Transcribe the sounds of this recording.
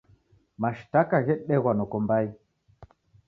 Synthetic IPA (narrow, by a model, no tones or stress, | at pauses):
maʃtakaɣɛɗɛɣwanokombai